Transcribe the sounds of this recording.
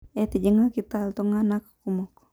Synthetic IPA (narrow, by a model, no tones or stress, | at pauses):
ɛt̪ed͡ʒəŋakit̪alt̪oŋanakḁkumɔk